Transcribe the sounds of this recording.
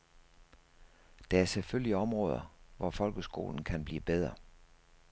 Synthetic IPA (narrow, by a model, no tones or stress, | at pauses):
d̥ɑ̈æɐseføl̰iɒ̽mʁɔ̰̽ːð̞ˠɐʋɒfɒ̽lɡ̥əsɡ̥o̝̰ːln̩kʰænb̥lḭːb̥eð̞ˠʁɐ